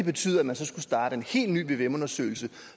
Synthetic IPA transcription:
eb̥e̝t͡sʰy̰ːð̩ˠæmænsɒ̽sɡ̥usd̥ɑ̈ːd̥əe̝nhe̝̰ːlny̰ːʋe̝ʋemɔ̽nɐsø̰ɪl̩sə

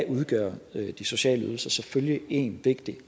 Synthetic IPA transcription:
ʔuð̞ˠɡ̥ɶɐd̥iso̝ɕɛ̰ːləy̰ð̞ˠl̩sɐsɒ̽føljəe̝̰nʋe̝ɡ̥d̥i

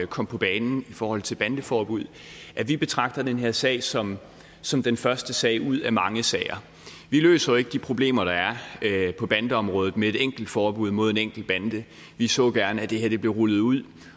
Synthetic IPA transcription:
kʰɒ̽m̰pʰɒ̽b̥ɛːnn̩ifɒːhɒ̽l̰t͡sʰe̝lb̥ænd̥əfɒːb̥uð̰ˠ | ʔæʋib̥e̝t͡sʰʁɑ̈ɡ̥̚d̥ɐd̥enɦe̝ɐ̰sɛ̰ɪsɒ̽m | sɒ̽md̥enfɶɐsd̥əsɛ̰ːɪuð̰ˠæmɑ̈ŋəsɛːɪɐ | ʋilø̰ːsɐe̝ɡ̥əd̥ipʰʁo̝b̥le̝̰ːmɐɾ̥ɑ̈æɐpʰɒ̽b̥ænd̥əɒ̽mʁɔ̽ːðð̩ˠmee̝ɾeŋ̰ɡ̥l̩d̥fɒːb̥uð̞̰ˠmo̝ð̞̰ˠe̝neŋ̰ɡ̥l̩d̥̚b̥ænd̥ə | ʋisɔ̰̽ːɡ̥æɐnæd̥e̝heɐd̥e̝b̥le̝ʁulð̞̩ˠuð̰ˠ

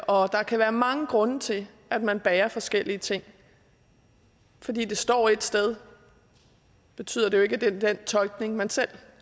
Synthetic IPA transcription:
ɒ̽d̥ɑ̈kʰæʋæːɐmɑ̈ŋəɡ̥ʁɔ̽nət͡sʰe̝l | æd̥̚mænb̥ɛːɐfɒ̽sɡ̥el̰iət͡sʰe̝ŋ̰ | fɒ̽d̥ḭːd̥e̝sd̥ɒ̰ːe̝d̥sd̥eð̞ˠ | b̥e̝t͡sʰy̰ð̰ˠɐd̥e̝joe̝ɡ̥əd̥ed̥ent͡sʰɒ̽lɡ̥ne̝ŋmænsel̰

